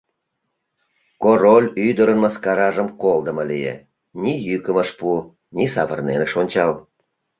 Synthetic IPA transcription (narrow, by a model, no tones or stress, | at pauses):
korolʲyd̪əɾənmɑskɑɾɑʒəmkold̪əmɤlijḛ | nʲijykəməʃpu | nʲisɑβərnenəʃonʲt͡ɕɑl